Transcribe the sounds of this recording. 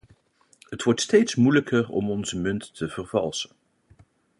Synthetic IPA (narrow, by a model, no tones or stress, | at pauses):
ɦətʋɔɹtstejtsmujləkʰərɔ̰mɔnzəmɵntːəv̥ərvɑ̰lˠsə̥n